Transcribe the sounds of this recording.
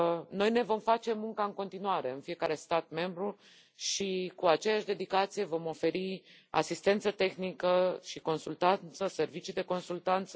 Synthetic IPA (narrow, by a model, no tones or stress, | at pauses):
no̞jne̞vo̞mfat͡ʃe̞muŋkaɨŋko̞nt̪inuaɾe̞ɨnfije̞kaɾe̞st̪at̪me̞mbɾu | ʃikuat͡ʃe̞jaʃd̪e̞d̪ikat̪sije̞vo̞mo̞fe̞ɾi | a̰sist̪e̞nt̪sət̪e̞xnikəʃiko̞nsult̪ant̪səse̞rvit͡ʃid̪e̞ko̞nsult̪ant̪sə